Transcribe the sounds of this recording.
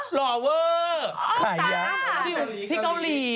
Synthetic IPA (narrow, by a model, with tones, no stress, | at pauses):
lɔː˧˩wəː˧saː˨˩˦jja˦t̪ʰiː˥˩ʔu˧˩t̪ʰiː˥˩ka˧˩wliː˧